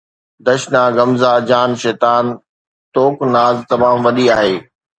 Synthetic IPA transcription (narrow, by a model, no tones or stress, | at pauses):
d̪ɐʃnaɡɐmzad͡ʑaːnʃɛːt̪aːn | t̪oːknaːzt̪ɐmaːmʋɐɗiaːɦeː